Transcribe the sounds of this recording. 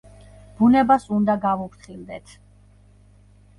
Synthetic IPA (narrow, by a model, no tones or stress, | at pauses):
b̥unɛbasund̪aɡavupʰɾt̪ʰχild̪ɛt̪ʰ